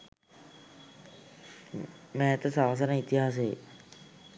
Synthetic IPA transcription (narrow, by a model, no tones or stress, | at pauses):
mɛːt̪əsaʋs̬ənəit̪iɦaːsḛ